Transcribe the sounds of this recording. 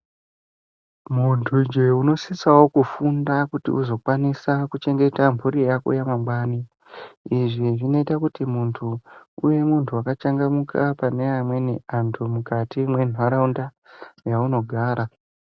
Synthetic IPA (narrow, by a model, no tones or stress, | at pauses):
muntʰud͡ʒe̞uno̞sisawo̞kufundakutḭʔuzo̞kwanisakut͡ʃe̞ŋɡe̞tampʰuɾijakṵjamambwaːni | iʐiʐino̞itakutimuntʰuuje̞muntʰuakat͡ʃaŋɡamukapane̞amwe̞neantʰumukatimwe̞n̤ʱwaɾaunda | jauno̞ɡʱaːɾa